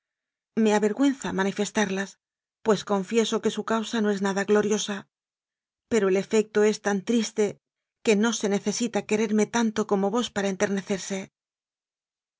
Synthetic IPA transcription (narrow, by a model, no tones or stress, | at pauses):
me̞aβe̞ɾɣwe̞nθamanife̞st̪aɾlas | pwe̞sko̞ɱfje̞so̞ke̞sukawsanoe̞znaðaɣlo̞ɾjo̞sa | pe̞ɾo̞ele̞fe̞k̚t̪o̞e̞st̪ant̪ɾist̪e̞ | ke̞no̞se̞ne̞θe̞sit̪ake̞ɾe̞ɾme̞t̪ant̪o̞ko̞mo̞βo̞spaɾae̞nt̪e̞ɾne̞θe̞ɾse̞